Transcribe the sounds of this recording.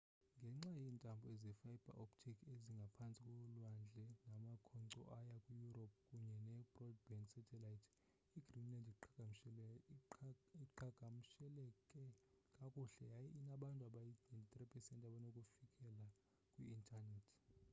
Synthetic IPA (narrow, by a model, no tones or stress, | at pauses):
ŋɡʱɛŋ͡ǁajiːntʼambʱɔezɛfajib̥ʱa̰ʔopʰtʰikʰeziŋɡʱapʰant͡sʼikʼɔlwand͡ɮʱɛnamakʰɔǀɔ̰ʔajakʼujurɔp̚ʰkʼuɲɛnɛbrɔd̚bɛnsɛtʰɛlajtʰ | iɡrinlandʱiǃaɡ̥ʱam̩ʃɛl | iǃaɡ̥ʱam̩ʃɛlɛkʼɛkʼakʼuːɬɛjajɛʔinaɓantʼuaɓajient̪ʼripʰʼɛsɛntʼaɓanokʼufikʼɛla | kʼwiintʰʼanɛtʰ